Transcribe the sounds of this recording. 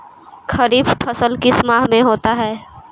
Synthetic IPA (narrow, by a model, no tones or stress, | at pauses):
kʰɐɾiːbpʰɐsəlkɪsmaːɦmẽɦoːt̪aɦɛː